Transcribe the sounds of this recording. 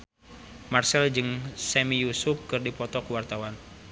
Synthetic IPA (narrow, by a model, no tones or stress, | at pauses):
marsɛld͡ʒɨŋsɛmijusup̚kɨrdipɔt̪ɔkuwart̪awan